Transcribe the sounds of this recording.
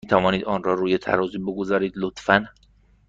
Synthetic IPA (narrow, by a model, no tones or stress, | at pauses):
iːt̪ʰævɒːniːd̪ɒːnrɒːɾuːjet̪ʰæ̰ɾɒːziːbeɡozɒːɾiːd̪lot̪fæn